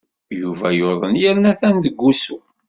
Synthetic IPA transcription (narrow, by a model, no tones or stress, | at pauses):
juvæjoðˤənjæɾnæθænðəɡːusu